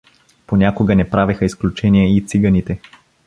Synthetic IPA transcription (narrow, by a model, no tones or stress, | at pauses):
ponʲakʊɡənɛpɾavɛxəisklʲut͡ʃɛnijɛit̪siɡənit̪ɛ